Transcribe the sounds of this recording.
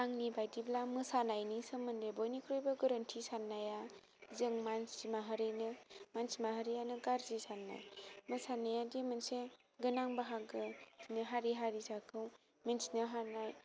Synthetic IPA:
aŋnibajdiblamɯsanajnisɯmɯndebɔjnikʰɾɔjbɯɡɯɾəntʰisanːaja | zɯŋmansimaɦɯɾɯnɯmansimaɦɯɾijanɯɡaɾzisanːa̰jmɯsanajadimɯnse | ɡɯnaŋbaɦaɡɯnɯɦaɾiɦaɾisakʰɯw | mensinɯɦanaj

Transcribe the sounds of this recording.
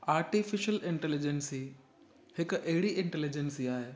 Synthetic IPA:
aːɾʈifɪʃəlɪ̃ɳʈɛlɪd͡ʑensi | hɪkɐɦɪɽiʔɪ̃ɳʈɛlɪd͡ʑensiaːɦeː

